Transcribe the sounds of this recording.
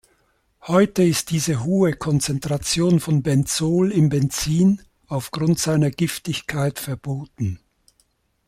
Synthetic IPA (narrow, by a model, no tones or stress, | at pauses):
hɔʏtəɪst̚d̥iːzəɦoːəkʰɔnt͡sɛntʁ̥at͡sjoːnfɔnbɛnt͡soːlɪnbɛnt͡siːn | aʊfɡ̥ʁʊntz̥aɪnɐɡɪftɪçkʰaɪtfɛɐboːtn̩